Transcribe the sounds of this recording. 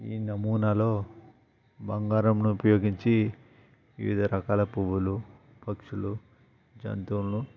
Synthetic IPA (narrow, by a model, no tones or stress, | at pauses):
iːnɐmuːnɐlo̞ː | bɐŋɡaːɾɐmnuupɐjo̞ːɡiɲt͡ʃi | ʋḭʋḭd̪ʱɐɾɐkaːlɐpuʋulu | pɐkʂulu | d͡ʒɐ̰nt̪unlu